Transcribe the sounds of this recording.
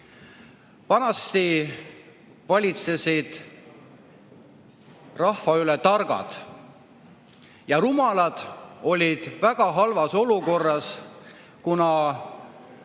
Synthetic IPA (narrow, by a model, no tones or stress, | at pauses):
vɑnɑst̪i | vɑlʲit̪sesid̪̥ | rɑhvɑylɛt̪ɑrɡ̥ɑ̰d̪̥ | jɑɾumɑlɑd̪̥o̞lʲid̪̥væɡ̥ɑɦɑlvɑso̞luko̞rːɑs | kunɑ